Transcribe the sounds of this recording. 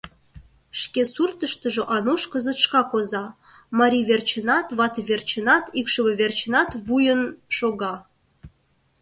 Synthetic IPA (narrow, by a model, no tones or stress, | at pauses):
ʃkesurt̪əʃt̪əʒoʔɑnoʃkəzət̪ʃkɑkozɑ | mɑɾʲiβert͡ɕənɑt̪βɑt̪βert͡ɕənɑt̪ikʃəβəβert͡ɕənɑt̪βujənʃoɣɑ